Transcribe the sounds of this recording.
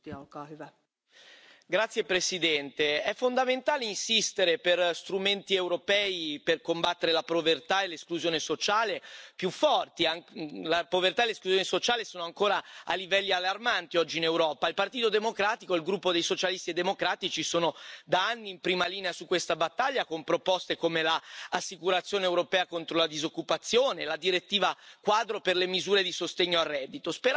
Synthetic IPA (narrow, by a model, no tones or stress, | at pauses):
kv | ɡɾat̪sːjepɾesid̪ɛnt̪eɛfːond̪ament̪aːleinsist̪eɾeperst̪ɾument̪iewɾopɛːiperkombat̪ːeɾelapovert̪aeleskluzjoːnesot͡ʃaːlepjufːɔrt̪iaŋlapovert̪aeleskluzjoːnesot͡ʃaːlesoːnoaŋkoːɾaa̰livɛlːialːarmant̪iɔd͡ʒːiːnewɾɔːpailpart̪iːt̪od̪emokɾaːt̪ikoilɡɾupːod̪ejsot͡ʃalist̪ied̪ːemokɾaːt̪it͡ʃisoːnod̪aanːiːmpɾiːmaliːneasukːwest̪abat̪ːaʎːakompɾopɔst̪ekomelaasːikuɾat̪sjoːneewɾopɛːakont̪ɾolad̪izokːupat̪sːjoːnelad̪iɾet̪ːiːvakwaːd̪ɾoperlemizuːɾed̪isost̪eɲːoarːɛd̪ːit̪ospe